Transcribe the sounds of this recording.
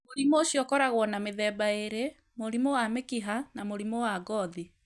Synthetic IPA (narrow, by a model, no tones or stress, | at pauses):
moɾimoɕjɔkɔɾaɣwɔnameðɛːbaeɾe | moɾimowamekiɦanamoɾimowaɡɔði